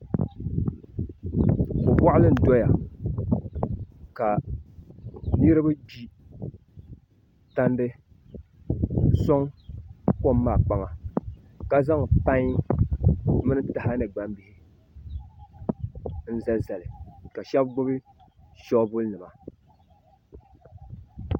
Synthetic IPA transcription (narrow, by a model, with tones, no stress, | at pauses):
kʊ˨ba˦ʔa˦lɨ˦n̩˨do˦ja˨ | ka˨ | nɨ˦ɾɨ˦ba˦d͡ʒi˦ | ta˦ndɨ˦ | sɔ˦ŋ | ko˦mːaː˨k͡pa˨ŋa˨ | ka˦za˦ŋ˨pa˦ɲ˦ | mɨ˦nɨ˦ta˨ha˦nɨ˨ɡ͡ba˦mbi˨hi˦ | n̩˦za˦za˨lɨ˨ka˨ʃɛ˦bɡ͡bʊ˦bɨ˦ | ʃɔ˦bʊ˦lnɨ˨ma˨